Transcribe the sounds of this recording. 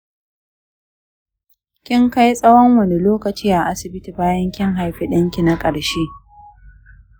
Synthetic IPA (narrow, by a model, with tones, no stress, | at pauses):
kʲɪ˦ŋka˦jsʼɐ˦wɐ˦ŋwɐ˨ne˨loː˦kɐ˨t͡ʃiː˦ʔa˨ʔa˦sɪ˨bɪ˦ti˨baː˦jɐ˦ŋkʲɪ˦ŋɦa˨jɸi˦ɗɐ˦ŋkʲi˨na˦kʼɐ˨ɽʃeː˦